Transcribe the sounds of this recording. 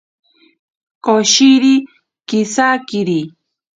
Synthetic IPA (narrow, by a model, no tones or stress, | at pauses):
koʃiɾi | kisakiɾi